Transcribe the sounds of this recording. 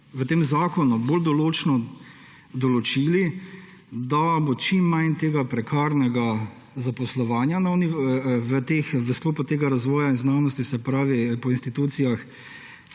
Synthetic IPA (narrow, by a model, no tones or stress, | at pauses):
ʋət̪eːmzaːkɔnuboːld̪ɔloːt͡ʃnɔ | d̪ɔlɔt͡ʃili | d̪abot͡ʃimːajnt̪eːɡapɾɛkʰaːɾnɛɡa | zapɔslɔʋaːnjanawniʋət̪eːxʋəskloːpat̪eːɡaɾazʋɔːjainznaːwnɔst̪isɛpɾaːʋipɔinst̪it̪uːt̪sijax